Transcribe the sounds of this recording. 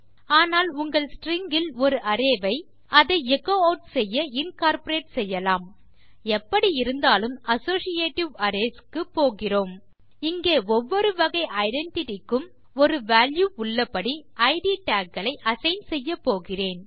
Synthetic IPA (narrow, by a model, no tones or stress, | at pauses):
aːnaːlʊŋɡɐɭsʈɾɪŋɡɪlɔɾɯʔɐɾeːʋɐɪ | ɐðɐɪɛkːoːoːʈsɛjːɐɪnkaːɾpɔɾeːʈsɛjːɐlaːm | ɛpːɐɽiɪɾɯnd̪aːlɯmɐsoːsɪjeːʈːɪʋɐɾeːskɯpːoːɣɪroːm | ɪŋɡeːɔʋːɔɾɯʋɐɣɐɪʔɐɪɖɛɳʈɪʈɪkːɯm | ɔɾɯʋaːljuːʊɭːɐpːɐɽiʔɐɪʈiːʈaːkːɐɭɐɪʔɐsɐɪnsɛjːɐpːoːɣɪreːn